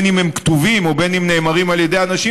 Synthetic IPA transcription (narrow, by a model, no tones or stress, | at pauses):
nimemkt̪uvimo̞benimneːmaʁimaljed̪e̞janaʃi